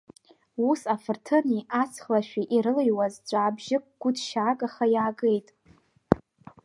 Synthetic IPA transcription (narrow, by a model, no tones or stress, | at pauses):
usafɨrtʰɨniʔat͡sʰχlaʃᶣiʔiɾɨlejwazd͡zʷʼaːbʒɪk̚ʼɡ̥ʷʊdʃaːɡʼaχajaːɡe̞jtʼ